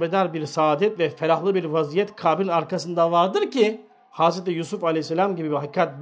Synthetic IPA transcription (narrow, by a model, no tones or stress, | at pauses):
bed̪aɾbiɾsaːd̪ɛt̪vɛfeɾahlˠɯbiɾvazijɛt̪kʰaːbilʲaɾkʰasɯnd̪avaɾd̪ɯɾci | hazɾet̪ijusufalʲeisːelʲamɟibibiɦakʰːat̪̚b